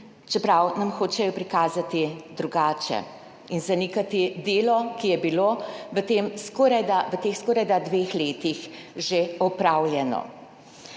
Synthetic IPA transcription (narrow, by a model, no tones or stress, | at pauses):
t͡ʃɛpɾawnamxoːt͡ʃɛjɔpɾikaːzat̪id̪ɾuɡaːt͡ʃɛ̰ | inzanikat̪id̪eːlɔkijɛbiloʋət̪eːmskoɾad̪aʋət̪eːxskoɾajd̪ad̪ʋexleːt̪ix | ʒeɔpɾawljɛnɔ̰